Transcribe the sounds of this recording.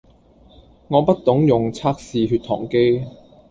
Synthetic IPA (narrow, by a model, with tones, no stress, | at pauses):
ŋɔː˨˧pɐ˥t̚t̪ʊ˨˥ŋjʊ˨ŋt͡sʰaː˥k̚siː˨˧ɦyː˧t̚t̪ʰɔ̰ː˨˩ŋke˥j